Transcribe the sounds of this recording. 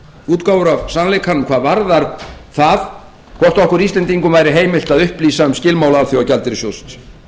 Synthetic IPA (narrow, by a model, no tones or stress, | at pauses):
uːt̪kawvʏɾavsanlekʰanʏmkʰvaːðvaɾðaɾθað | kʰvɔr̥t̪ɔhkʏɾist̪ɛnt̪iŋkʏmvaːjɾɪɦeːjmɪlt̪aðʏhpliːsaʏmscɪlmaːwlaalθjɔwacalt̪ɪɾɪsjowst̪